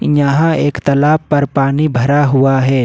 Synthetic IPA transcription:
jɐɦãeːkt̪ɐlaːbpːɐɾpaːnibʱɐɾaɦʊaɦɛː

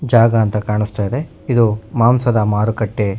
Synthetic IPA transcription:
d͡ʒaːɡɐːnt̪ɐkaːɳist̪aːjid̪e̞ | id̪umaːmsɐd̪ɐmaːɾukɐʈːe

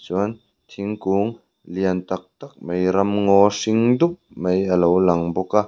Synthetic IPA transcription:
t͡ʃɔn | t̪ʰiŋkuːŋ | liənt̪ɐk̚t̪ɐk̚mejɾɐmŋɔsiŋd̪up̚mejɐlowlɐŋbɔka

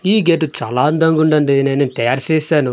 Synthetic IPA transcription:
iːɡeːʈut͡ʃaːlaːɐnd̪ɐŋɡuɳɖɐɳɖineːneːnt̪ɐjaːɾt͡ʃɛːsaːnu

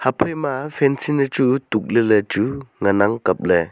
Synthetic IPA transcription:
hapʰɔjmafʰɛnsinɯt͡ʃutuk̚lelet͡ʃuŋanaŋkap̚le

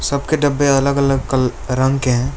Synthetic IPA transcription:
sɐbkeɖɐbːeɐləɡɐləɡkɐlɾɐ̃ŋɡkeɦɛ̃ː

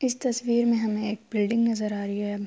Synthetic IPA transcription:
ɪst̪ɐsʋiːɾmẽɦɐmẽeːk̚bɪlɖɪ̃ŋɡnɐzəɾaːɾɐɦiɦɛː

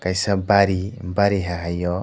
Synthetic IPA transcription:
kajsabaɾibaɾiɦaɦajɔ

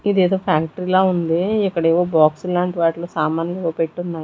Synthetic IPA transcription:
id̪eːd̪o̞ːpʰaːkʈɐɾilaːund̪iikːɐɽeːʋoːbaːksulaːɳʈiʋaːʈloːsaːmaːnɐleʋoːpe̞ʈːunːaː

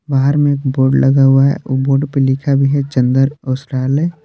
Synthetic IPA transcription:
baːɦəɾmẽeːk̚boːɾɖlʔɐɡaɦʊaɦɛ̰boːɾɖpelɪkʰabʱiɦɛt͡ʃə̃nd̪əɾɔːsɾaːle

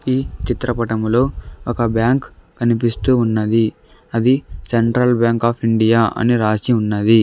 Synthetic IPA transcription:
iːt͡ʃit̪ɾɐpɐʈɐmlo̞ːɔkɐbjaːŋkː | ɐnipist̪uːnːɐd̪i | ɐd̪iseɳʈɾɐlbjaːŋkaːpʰiɳɖijaːʔɐ̰niɾaːsiunːɐd̪i

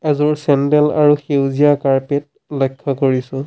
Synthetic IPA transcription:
ɛzʊɹsɛndɛla̰ɹuxewziakaɹpet̚ | lɔjkʰːɔkoɹisʊ̃

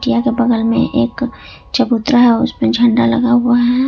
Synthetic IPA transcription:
ʈijakebɐɡəlmḛ̃ʔeːk | t͡ʃəbut̪ɾəɦɛʊ̰smed͡ʒʱɐɳɖalɐ̰ɡaɦuaɦɛ

